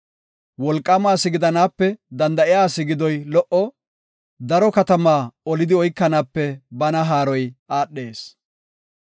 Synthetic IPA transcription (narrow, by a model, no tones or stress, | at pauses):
wɔlkʼːɐmaːsɪɡɪd̪ɐnaːpːɛd̪ɐnd̪ɐʔɪjaːsɪɡɪd̪ɔjlɔʔɔ | d̪ɐɾɔkɐt̪ɐmaːɔlɪd̪ɪɔjkːɐnaːpːɛbɐnɐɦaːɾɔjaːɗːeːs